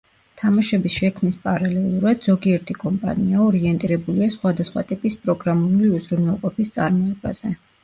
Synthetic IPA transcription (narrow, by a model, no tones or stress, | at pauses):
t̪ʰamaʃɛbisʃɛkʰmnispʼaɾalɛlˠuɾad̪z̥ɔɡiɛɾt̪ʰikʼɔmpʼa̰niaɔɾiɛnt̪ʼiɾɛbuliasχwad̪asχwa̰t̪ʼipʼispʼɾɔɡɾamuliuzɾunɛlˠqʼɔpʰist̪sʼa̰ɾmɔɛba̰z̥ɛ